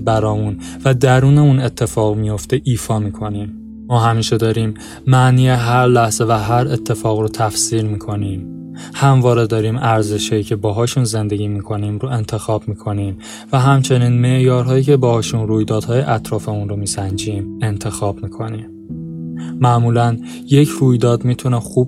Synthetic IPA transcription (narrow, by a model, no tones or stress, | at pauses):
bæɾɒːmun | væd̪æɾuːne̞une̞t̪ʰːe̞fɒːɣmijoft̪e̞ʔiːfɒːmiːkʰo̞niːmː | ɒːɦæmiːʃe̞d̪ɒːɾiːm | mæʔniːje̞ɦæɾlæhz̥e̞væɦæɾe̞t̪ʰːe̞fɒːɣɾot̪ʰæfsiːɾmiːkʰo̞niːm | hæmvɒːɾe̞d̪ɒːɾiːmæɾze̞ʃhɒjiːcʰe̞bɒːɦɒːʃunze̞nd̪e̞ɟiːmiːkʰo̞niːmɾoʔe̞nt̪ʰe̞xɒːb̥miːkʰo̞niːm | væɦæmt͡ʃʰe̞niːnme̞ʔjɒːɾɦɒːjiːcʰe̞bɒːhɒːʃunruːjd̪ɒːd̪hɒːjeʔæt̪ʰɾɒːfeunɾomiːsænd͡ʒiːme̞nt̪ʰe̞xɒːb̥miːkʰo̞niːm | mæʔmuːlæn | je̞cʰɾuːjd̪ɒːd̪mit̪ʰunexuːb̚